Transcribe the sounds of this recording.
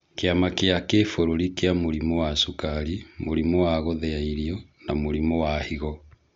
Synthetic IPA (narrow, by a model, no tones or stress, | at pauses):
keamakeakefoɾoɾikeamoɾimɔwasukaɾimoɾimɔwaɣɔðɛaiɾiɔnamoɾimɔwahiɣɔ